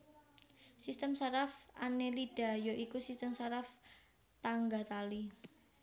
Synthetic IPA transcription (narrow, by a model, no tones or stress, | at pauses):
sist̪əmsaɾafanelid̥a̤joʔikusist̪əmsaɾaf | t̪aŋɡat̪ali